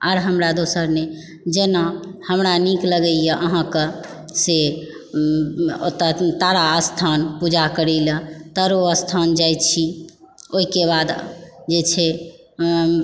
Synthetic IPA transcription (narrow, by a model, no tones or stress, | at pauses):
aɾɦəmɾad̪osəɾne | d͡ʒenahəmɾanikləɡəjəʔəɦãkə | se | t̪t̪aɾaəst̪ʰanpud͡ʒakəɾilət̪əɾoəst̪ʰand͡ʒajt̪t͡ʃʰi | oɦikebad̪d͡ʒet͡ʃʰɛ